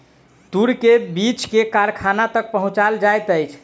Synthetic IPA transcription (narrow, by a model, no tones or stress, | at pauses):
t̪uɾkebit͡ʃkekaɾkʰanat̪ək̚pəɦũt͡ʃald͡ʒajt̪əjt͡ʃʰ